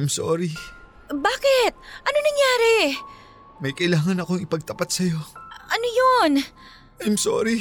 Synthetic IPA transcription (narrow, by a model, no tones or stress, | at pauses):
jmso̰ːɾi | baːkɪt̪̚ʔɐnonɐŋjaːɾɛ | mɐjkɐʔɪlaːŋɐnɐkoŋɪpɐɡ̚t̪ɐpat̪sɐjo̞ʔɐnojon | ʔajmso̰ːɾi